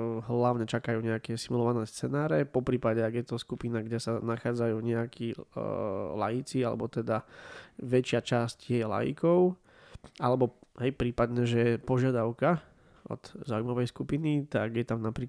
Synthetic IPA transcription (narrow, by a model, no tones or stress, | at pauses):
ɦlaʊɲɛt͡ʃakajuːɲɛakɛsimulɔʋanɛːst͡sɛnaːɾɛpɔpɾiːpadɛaɡjɛt̪ɔskupinaɡɟɛsanaxaːd͡zajuːɲɛakʰi | la̰jit͡sialɛ̰bɔt̪ɛd̪a | ʋɛt͡ʃɪat͡ʃascɛjɛla̰jḭkɔʊ | alɛbɔɦɛjpɾiːpad̪ɲɛʒɛpɔʒɪad̪aʊka | ʔɔ̰d̪̥zaːuimaʋɛjskupinit̪aɡjɛt̪amnapɾiːk